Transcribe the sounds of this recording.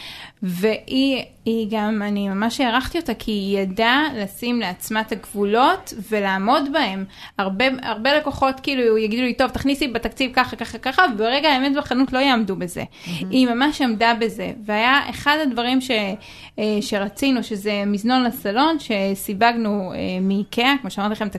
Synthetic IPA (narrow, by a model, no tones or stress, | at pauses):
ve̞ʔi | iɡamanimamaʃjeaʁaχt̪io̞takʰijadalasimleat͡smataɡvulo̞tve̞laːmo̞dbae̞maʁbe̞a̰ʁbe̞lekoχo̞tkiːlujaɡid̪ulito̞vtaχnisibet̪akt͡sivkaχaakaχakaχavebeʁeɡaaemetbaχanutlo̞jaːmdube̞zḛ | imamaʃamdabe̞ze̞̰veajaḛχadhadvaʁimʃe̞ | ʃe̞ʁat͡sinuʃe̞ze̞mizno̞nlasalo̞nʃe̞sibaɡnuemikʰeakmoʃeamaʁt̪ileχemt̪a